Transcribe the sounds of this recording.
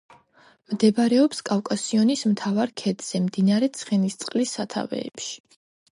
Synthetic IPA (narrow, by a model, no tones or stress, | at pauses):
md̪ɛbaɾɛɔpskʼafkʼasiɔnismt̪ʰavaɾkʰɛd̪z̥ɛmd̪inaɾɛt̪sʰχɛnist̪sʼqʼlisːat̪ʰa̰vɛ̰ːpʃi̥